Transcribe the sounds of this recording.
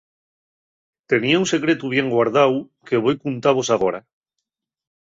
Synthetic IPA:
t̪e̞niaũnse̞kɾet̪uβ̞je̞ŋɡwaɾð̞aw | keβ̞o̞jkunt̪aβo̞saɣ̞oɾa

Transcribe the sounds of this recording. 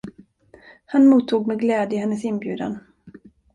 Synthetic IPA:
hanmuːt̪ʰːuːɡmɛɡlɛːd̪jəɪhɛnːəsɪnbjʉ̟ːd̪a̰n

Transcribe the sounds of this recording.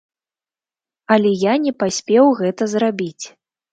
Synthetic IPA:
ɐlʲɛjanʲɛpasʲpʲɛwɣɛt̪ɐzrabʲit͡sʲ

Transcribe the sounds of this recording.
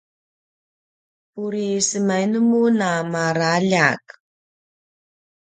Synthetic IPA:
puɾisəmajnəmunamaɾaʎak

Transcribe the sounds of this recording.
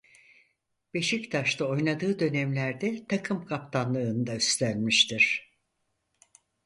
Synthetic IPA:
b̥e̞ʃict̪ʰaʃt̪ʰao̞jnad̪ɯːd̪ø̞næmlʲæɾd̪ɛt̪ʰakʰɯmkʰap̚t̪ʰanlˠɯːnd̪ayst̪ʰænmiʃt̪ʰiɾ̥

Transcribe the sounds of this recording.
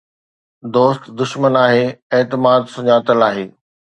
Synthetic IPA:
d̪oːst̪d̪ʊʃmənaːɦeːeːt̪ɪmaːd̪sʊɲaːt̪əlaːɦeː

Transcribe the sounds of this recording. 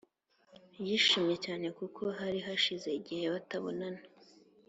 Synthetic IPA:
jiʃiːmɲe̞caːne̞kukʰo̞ɦaɾiɦaʃize̞iɟihe̞βataβo̞̰nana

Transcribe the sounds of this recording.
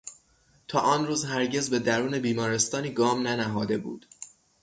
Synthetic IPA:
t̪ʰɒːʔɒːnruːzhæɾɟe̞zbe̞d̪æɾuːne̞biːmɒːɾe̞st̪ɒːniːɡɒːmnænæɦɒːd̪e̞bṵːd̪̥

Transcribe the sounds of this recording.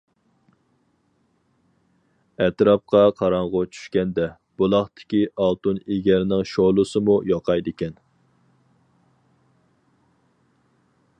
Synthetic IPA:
ɛt̪ɾɑp̚qʰɑqʰɑɾɑɴʁʊt͡ʃʰy̥ʃkʲɛnd̪ɛ | b̥olˠɑχt̪ʰɪ̥kʲiʔɑlˠt̪uneɡʲɛɾnɪŋʃolˠɨsɨmujɑqʰɑjd̪ɪkʲɛn

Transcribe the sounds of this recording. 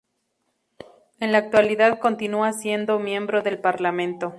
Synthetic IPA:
enlaːk̚t̪waliðaðko̞nt̪inuasje̞nd̪o̞mjẽ̞mbɾo̞ðe̞lpaɾlamẽnt̪o̞

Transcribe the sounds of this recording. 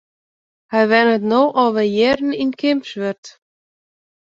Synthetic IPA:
haðvɛnʏt̪noːwʔawvɛðjɛɾnincʰejmpsvɛɾt̪

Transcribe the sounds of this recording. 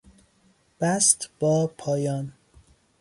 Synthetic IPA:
b̥æst̪b̥ɒːpʰɒːjɒːn

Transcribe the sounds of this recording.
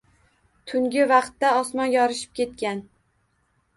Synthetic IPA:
t̪ʰʊŋɡʲɪvɑqt̪ːaɒsmɒnjɒɾɪʃɪ̥p̚kʲʰe̞t̪̚kʲan

